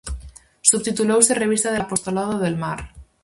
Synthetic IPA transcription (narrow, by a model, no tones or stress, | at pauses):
suβt̪it̪ulowsere̞β̞ist̪aðepo̞st̪olað̞oðelmaɾ